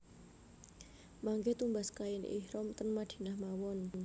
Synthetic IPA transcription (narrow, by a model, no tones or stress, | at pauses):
maŋɡet̪umbaskaɪnʔḭhɾɔmt̪ənmad̪̥i̤̥nahmawɔn